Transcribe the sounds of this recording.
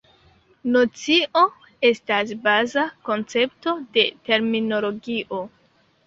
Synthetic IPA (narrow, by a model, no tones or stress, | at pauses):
no̞t͡siʔo̞ | e̞stasbazako̞nt͡se̞pto̞de̞te̞ɾmino̞lo̞ɡiʔo̞